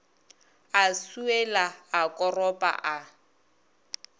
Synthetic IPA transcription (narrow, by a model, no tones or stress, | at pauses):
asuɛlaːkʼɔrɔpʼa̰ʔa